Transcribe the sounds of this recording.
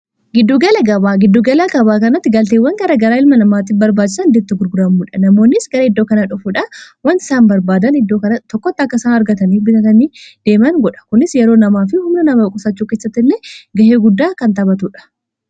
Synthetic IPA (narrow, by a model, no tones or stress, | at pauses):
ɡɪd̪ːuːɡɐlɐɡɐbaːɡɪd̪ːuːɡɐlaɡɐbaːkɐnɐt̪ːɪɡɐlt̪eːwːɐŋɡɐɾɐɡɐɾaːɪlmɐnɐmaːt̪ːɪfbɐɾbaːd͡ʒːɪsɐnd̪ɛt̪ːɪɡʊɾɡʊɾɐmuːᶑɐnɐmo̞ːnːɪsɡɐɾɐɪd̪ːoːkɐnaᶑʊfuᶑɐwɐnt̪ɪ̥saːnbɐɾbaːd̪ɐnɪd̪ːo̞ːkɐnɐt̪ːɔkːɔt̪ːɪɐkːɐsaːnɐɾɡɐt̪ɐniːfbɪt̪ɐt̪ɐniːd̪̥e̞ːmɐŋɡɔᶑɐ̥kʊnɪsjɛɾo̞ːnɐmaːfɪhʊmnɐnɐmɐbkʼʊsɐt͡ʃːuːke̞ːsːɐt̪ːɪlːeɡɐheːɡʊd̪ːaːkɐnt̪ɐbɐt̪uːᶑɐ̥